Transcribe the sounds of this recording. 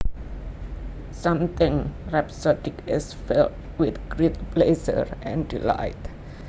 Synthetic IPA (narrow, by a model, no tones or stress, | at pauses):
sãmt̪ɪ̃ŋɹɛpsɔtɪkɪsfɛlt̚ | wɪt̪ɡɹit̚plesə̰ɹɛ̃ndila̰ɪt